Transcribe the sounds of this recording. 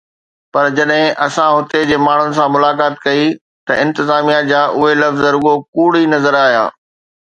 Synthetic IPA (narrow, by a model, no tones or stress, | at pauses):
pɐɾd͡ʑɐɗɦɪ̃ʔɐsãɦʊt̪ed͡ʑeːmaːɳ̤ʊnɪ̆s̬ãmʊlaːkaːt̪kɐi | t̪ɐɪ̃nt̪ɪzaːmijad͡ʑaːʔʊɦelɐfzɐɾʊɡokuːɽ̤inɐzəɾaːɦijã̰ː